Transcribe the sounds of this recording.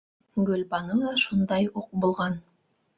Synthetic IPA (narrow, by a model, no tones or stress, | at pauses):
ɡɵlbɑnɤd̪ˠɑʃund̪ɑjuq̚bulˠʁɑn